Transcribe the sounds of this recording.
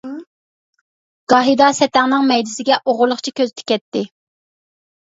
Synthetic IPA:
ɡ̥ɑɦid̪ɑsɛt̪ɛŋnɪŋmɛjd̪ɪsɪɡʲɛʔoʁʊlˠːʊχt͡ʃʰikʲʰøzt̪ʰɪ̥kʲɛt̪ːɪ

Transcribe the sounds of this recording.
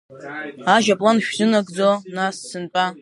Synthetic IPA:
aʒapʼlanʃᶣzɨnaɡʼd͡zonassɨnpʼa

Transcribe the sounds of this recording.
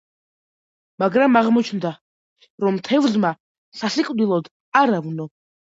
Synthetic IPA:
maɡɾamaʁmɔt͡ʃʰnd̪a | ɾɔmt̪ʰɛvzma | sasiqʼvd̪ilˠɔd̪ | aɾavnɔ

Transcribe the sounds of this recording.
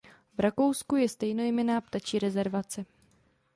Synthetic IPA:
vɾako̞wskujɛst̪ɛjnojɛmɛnaːpt̪at͡ʃiːɾɛzɛɾvat͡sɛ

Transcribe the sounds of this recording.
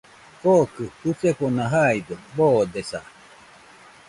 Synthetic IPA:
kokɯhuseponaɦajd̪oboːd̪esa̰

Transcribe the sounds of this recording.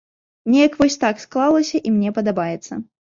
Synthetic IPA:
mnʲɛjɐkvɔsʲt̪aksklˠalˠɐsʲɐʔimnʲɛpɐd̪abajɛt̪sːɐ̰

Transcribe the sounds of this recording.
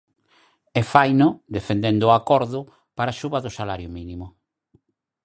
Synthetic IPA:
ɛfajnʊd̪efend̪end̪ʊakɔɾðʊ | paɾaʃuβɐðʊsalaɾjʊminimʊ

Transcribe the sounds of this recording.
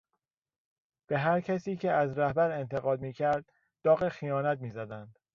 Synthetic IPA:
b̥e̞ɦæɾcʰæsiːcʰeæzɾæhbæɾe̞nt̪ʰeɣɒːd̪miːcʰæɾd̪̥̚ː | ɒːɣexijɒːnæt̪̚miːzæd̪ænd̪̥

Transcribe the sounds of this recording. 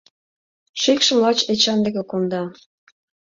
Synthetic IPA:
ʃekʃə̆mlɑt͡ɕet͡ɕɑnd̪ĕkĕkond̪ɑ

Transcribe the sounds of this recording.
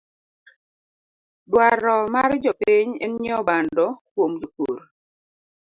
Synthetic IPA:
dwaɾɔmard͡ʒɔpiɲɛ̰nɲɔbandɔkwomd͡ʒoko̰ɾ

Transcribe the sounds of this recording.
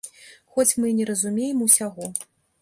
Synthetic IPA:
xɔt͡sʲmɨnʲɛɾɐzumʲejɛmusʲaɣɔ

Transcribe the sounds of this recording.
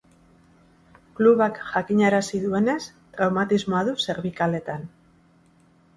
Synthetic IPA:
kluβakʝakiɲaɾasiðue̞ne̞s | t̪ɾawmat̪izmo̞aðuse̞ɾβikale̞t̪an

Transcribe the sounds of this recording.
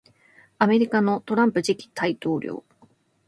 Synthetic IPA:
ame̞ɾʲikano̞t̪o̞ɾãmpɯ̟ʑikʲi̥t̪ʰait̪o̞ːɾʲʔo̰ː

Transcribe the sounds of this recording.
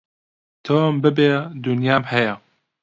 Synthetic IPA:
t̪ʰoːmbɨbeːd̪unjaːmhɛjɛ

